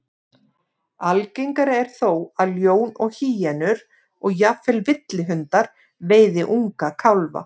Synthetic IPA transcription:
alcejŋkaɾɪɛɾ̥θowaðljoːwnɔɣhiːjɛnʏɾ | ɔɣjaːfɛlvɪt̪lɪɦʏnt̪aɾ̥ | veːjðɪʔuŋkakʰawlva̰

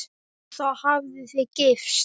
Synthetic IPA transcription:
θɔhavðʏθɪcɪfs

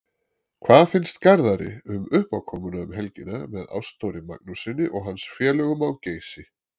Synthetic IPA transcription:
kʰv̥aːðfɪnst̪kaɾðaɾɪ̰ʏmʏhpawkʰɔːmʏnaʏmɦɛlcɪnamɛða̰wst̪owɾɪma̰k̚nusɪnːɪʔɔɣɦansfjɛːlœɣʏmawceːjsɪ

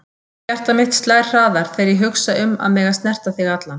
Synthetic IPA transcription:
cɛr̥t̪amɪht̪st̪lajr̥r̥aːðaɾ̥θejɾiɦʏksaʏma̰ðmɛːɣast̪nɛr̥t̪aθiɣat̪lan

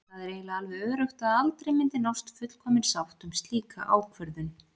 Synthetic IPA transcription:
aðɛɾeːjɣlaalvɪœːɾʏxt̪aðalt̪ɾeɪjmɪnt̪ɪnɔwst̪fʏt̪l̥kʰɔːmɪnsawht̪ʏmst̪liːka̰ʔa̰ːwkʰvœɾðʏn

